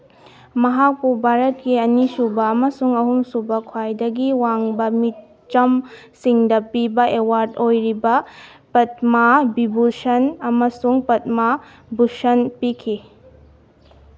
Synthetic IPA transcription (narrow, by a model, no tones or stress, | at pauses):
mɐɦak̚pubʱaɾɐt̚kiɐnisubɐːmɐsuŋɐɦumsubɐkʰwajdɐɡiwaŋbɐmit | t͡ʃɐm | siŋdɐpibɐewaɾdojɾibɐ | pɐt̚mabibusɐnɐmɐsuŋpɐt̚ma | busɐnpikʰi